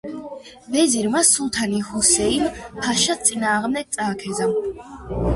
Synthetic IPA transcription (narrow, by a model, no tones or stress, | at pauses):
vɛziɾmasulˠt̪ʰanihɔsɛinpʰaʃat̪sʼinaːʁmd̪ɛɡ̚t̪sʼaːkʰɛzam